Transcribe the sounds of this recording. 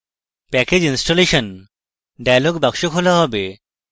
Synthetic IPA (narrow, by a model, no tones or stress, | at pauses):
pɛked͡ʑinsʈoleʃɔn | ɖajloɡbakʃokɦolaɦɔbe